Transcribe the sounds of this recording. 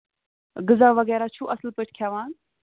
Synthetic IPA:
ɡɨzaːʋɐɣɛːɾaːt͡ʃʰuʔɐslpəʈʰkʰjaːʋaːn

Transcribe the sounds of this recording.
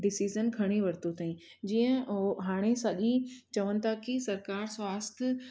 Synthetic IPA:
ɖɪsiːzənkʰɐɽ̃iʋɐɾt̪ot̪aːĩ | d͡ʑiːə̃ɦaːɽ̃esɐʄit͡ɕɐʋənɪ̆t̪ʰakisɐɾkaːɾsʋaːst̪ʰɪ

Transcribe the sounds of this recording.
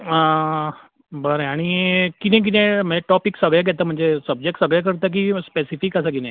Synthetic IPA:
ə | bəɾãaɽ̃ikit̪ɛ̃k̬it̪ɛ̃m̤əd͡zeʈɔpiksəɡɭeɡʱɛt̪əm̤əɳd͡zesəb̚d͡ʑek̚ʈsəɡɭɛk̬əɾt̪ək̬ispesifikəsakit̪ɛ̃

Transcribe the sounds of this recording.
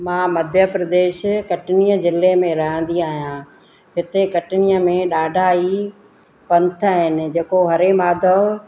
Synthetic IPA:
mãːmɐd̪ʱjəpɾɐd̪eːʃkɐʈɪnijəzɪlːemẽɾɐɦə̃n̆d̪iaːɦijã | ɦɪt̪ekɐʈnijəmẽɗaːɖʱai | pɐ̃nt̪ʰaɦɪnɪ̆d͡ʑeːkoɦɐɾemaːd̪ʱə

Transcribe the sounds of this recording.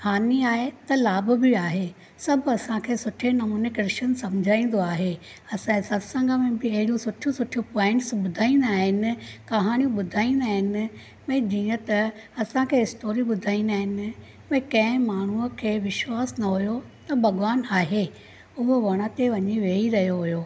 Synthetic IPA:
haːniaːɦet̪ɐlaːbʊ̆bɪaːɦe | sɐbʱɐsãkʰeːsʊʈʰenɐmuːnekɾɪʃənsɐmd͡ʑʱaːĩːn̆d̪oaːɦe | ɐsãsɐɾsɐ̃ŋɡəmẽbɪɐɦɪɽijũsʊʈʰjũsʊʈʰijupɔ̃ːɪ̃ɳʈsɓʊd̪ʱaːĩːnd̪aːɦɪnɪ̆kɐɦaːɽ̃ijũɓʊd̪ʱaːĩːnd̪aːɦɪnɪ̆ | mɛ̃ːd͡ʑiːə̃t̪ɐɐsãkʰeːɪsʈoːɾiɓʊd̪ʱaːĩːnd̪aːɦɪnɪ̆ | mɐ̃kɐ̃ɦɪ̃maːɳ̤uəkʰeːʋɪʃwaːsnɐɦʊjot̪ɐbʱɐɠʊʋaːnaːɦe | ʊɦoʋɐɽ̃at̪eʋɐɲiʋeːiɾɐɦijoɦʊjoː

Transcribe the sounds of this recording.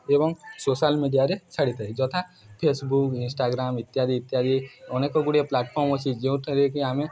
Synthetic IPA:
ebɔŋsoːsaːlmiɖijaɾet͡ʃʰɐɽit̪aid͡ʒɔt̪ʰa | pʰeːsbukɪ̃nsʈaːɡɾaːmɪt̪ːjaːd̪iːt̪ːjaːd̪ionekoɡʊɽeplaːʈpʰɔːɾmɔsid͡ʒeũt̪ʰɾekiaːmẽ

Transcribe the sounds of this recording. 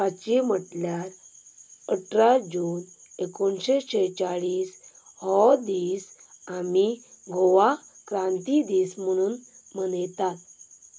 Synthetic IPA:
at͡ɕim̤əʈljaɾ | əʈɾad͡ʑuːn | ekonɕeɕet͡saɭiːs | hɔd̪iːsamiɡoʋakɾãnt̪id̪iːsm̤əɽ̃uːnmənəjt̪at̪̚

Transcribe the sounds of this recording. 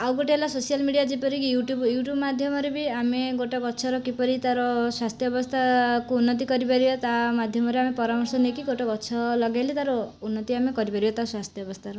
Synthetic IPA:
awɡoʈeelasosijalmiɽijad͡ʒipɔɾijuʈjubjuʈjubmad̪ʱjɔmɔɾebiameɡoʈɔbɔtːt͡ʃʰɔɾɔkipɔɾit̪aɾɔswast̪ʰjɔbɔst̪ʰakuunːɔt̪̬ikɔɾibaɾibɔt̪amad̪ʱjɔmɔɾeamepɔɾamɔɾsɔnekiɡoʈɔbɔtːt͡ʃʰɔlɔɡajlit̪aɾɔunːɔt̪iamekɔɾipaɾibɔt̪aswast̪ʰjɔbɔst̪ʰaɾɔ

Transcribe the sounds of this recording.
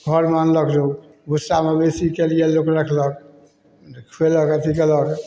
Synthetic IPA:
ɡʱɔɾmanləklo | bʱusamebesikelijelokɾəkʰlək | kʰeləkət̪ʰikelək

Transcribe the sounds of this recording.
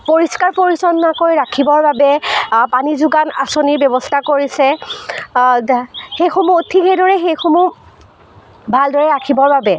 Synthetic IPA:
poɹiskaɹpoɹisɔnːakojɹakʰibɔɹbabɛpanizuɡanasoniɹbjɔbɔstʰakoɹisɛ | xejxomutʰikɛdɔɹɛxejxomu | bʱaldɔɹɛɹakʰibɔɹbabɛ

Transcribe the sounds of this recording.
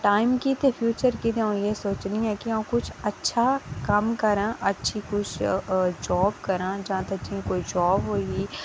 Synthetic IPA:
ʈaːɪmkit̪epʰjuːt͡ʃəɾkit̪eõjesoːt͡ʃniɦɛ̃ːkiãkʊt͡ʃʰɐtːʃʰakɐmkɐɾãːʔɐtːʃʰikʊt͡ʃʰd͡ʒɔːbkɐɾãːd͡ʒɐɦãt̪ɐkd͡ʒiẽkoːid͡ʒɔːbɦoːii

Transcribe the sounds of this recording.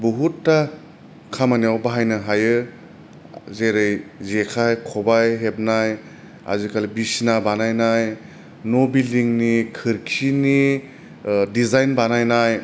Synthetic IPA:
buɦutːa | kʰamanijawbaɦajnɯɦajɯ | zeɾɯjzekʰajkʰɔbajɦep̚naj | a̰zikʰalbisinabanajnaj | nobiliŋnikʰɯɾkʰini | dizajnbanajnaj

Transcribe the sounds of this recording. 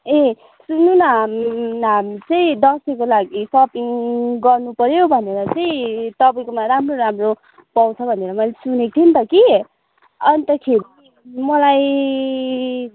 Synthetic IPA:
e | sununʌɦmnamt͡sʌĩd̪ʌsekolaɡisʌpiŋɡʌrnupʌɾjobʱʌneɾʌt͡sʌĩt̪ʌpaĩkomaɾamroɾamro | pawt͡sʰʌbʱʌneɾʌmʌjlesunet̪ʰint̪ʌki | ʌnt̪ʌkʰeɾi | mʌlaj

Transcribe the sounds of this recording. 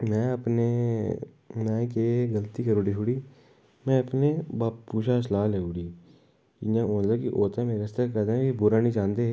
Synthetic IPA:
mɛ̃ːəpne | mɛ̃ːkeɡəlt̪iːkəɾoːɖit͡ʃʰuɽiː | mɛ̃əpnebaːppuːʃas̬laːleːuːɽiː | iãːõːnlakiʔoːt̪ãmeːɾest̪ekəd̪eibʊɾanĩd͡ʒãːnd̪e

